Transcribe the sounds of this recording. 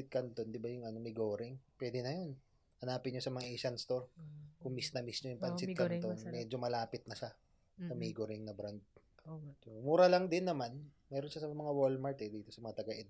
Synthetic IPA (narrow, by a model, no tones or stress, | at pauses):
ɪt̪̚kɐnt̪o̞nd̪ɪbajʊŋɐnomɪɡoːɾɪŋpwɛːd̪ɛnɐjo̞n | hɐnaːpɪnɲosɐmɐŋaʔɛjʃɐnst̪o̞ɾkʊŋmisnɐmisɲojʊŋpɐnsɪkɐnt̪onmɛːd͡ʒo̞mɐlaːpɪt̪̚nɐʃa | sɐmiːɡoɾɪŋnɐbɾand̪̚ | omuːɾalɐŋd̪ɪnːɐmanmɛːɾonʃasɐmɐŋawolmɐɹt̪ɛd̪iːt̪o̞sɐmɐŋat̪ɐɡɐʔɛd̪